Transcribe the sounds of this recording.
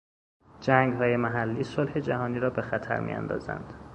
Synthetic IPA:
d͡ʒæːŋɡɦɒːje̞mæɦælːiːsolhe̞d͡ʒæhɒːniːɾɒːbe̞xæt̪ʰæ̰ɾmḭjʔæ̰nd̪ɒ̰ːzæ̰nd̪̥

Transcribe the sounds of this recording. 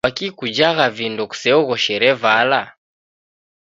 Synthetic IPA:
akikud͡ʒaɣavindɔku̥sɛɔɣɔʃɛɾɛvala

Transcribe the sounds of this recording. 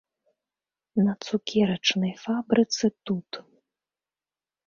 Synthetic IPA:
nɐt̪sukʲʰɛɾɐt͡ʂnɐjfabɾɨt̪sɨt̪ut̪

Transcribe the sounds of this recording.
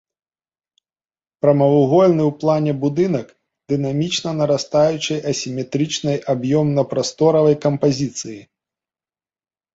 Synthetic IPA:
pɾɐmɐvuɣɔlʲnɨwplˠanʲɛbud̪ɨnɐk | d̪̥ɨnamʲit͡ʂnɐnɐɾast̪ajut͡ʂɨjʔɐsʲimʲɛt̪ɾɨt͡ʂnɐjʔabjɔmnɐpɾast̪ɔɾɐvɐjkɐmpazʲit̪sɨji

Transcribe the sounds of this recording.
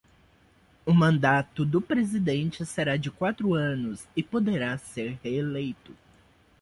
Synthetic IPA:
ʊmɐ̃nd̪at̪ʊd̪ʊpɾezid̪ẽnt͡ʃɪseɾad͡ʒɪkwat̪ɾʊɐ̃nʊzɪpod̪eɾaseɾheːlejt̪ʊ

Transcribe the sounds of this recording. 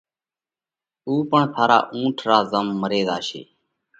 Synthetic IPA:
uːpəɳsʰaːɾa̰ːʔũːʈʰɾaːzəmːəɾeːd̪aːʃḛː

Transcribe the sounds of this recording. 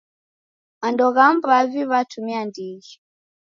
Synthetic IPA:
mandɔɣambaviβatʰumiandiɣi

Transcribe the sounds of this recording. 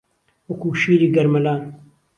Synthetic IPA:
okuːʃiːɾiɡɐɾmɐlaː

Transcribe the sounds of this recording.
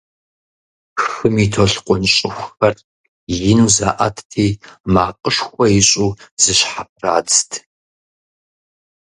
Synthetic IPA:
xɨmitʰoɬqʷʼʊnɕʼɪxʷxɐr | jɪnuːza̰ːʔa̰tʰtʰiːmaːqʼəʃxʷɔjɪɕʼuːzɨɕħap̚ʼra̰ːd͡ztʰ

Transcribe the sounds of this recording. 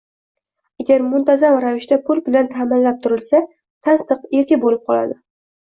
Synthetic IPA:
aɡʲaɾmʊnt̪ʰazamɾavɪʃt̪apʊlbɪlant̪ʰaːmɪnlap̚t̪ʰʊɾɪlsa | t̪ʰant̪ʰɨqeɾkʲɪbolɪp̚qʰɒla̰d̪ɪ

